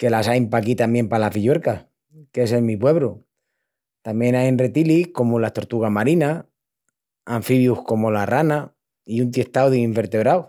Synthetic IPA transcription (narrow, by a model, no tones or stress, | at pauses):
ke̞lasajmpakit̪amje̞mpalafiʎwe̞ɾka | ke̞se̞lmipwe̞βɾo | t̪amje̞najnre̞t̪ilihko̞mulast̪o̞ɾt̪uɣamaɾina | aɱfiβjuhko̞mo̞larana | iunt̪̬je̞ht̪awðeiɱfe̞ɾt̪e̞βɾaw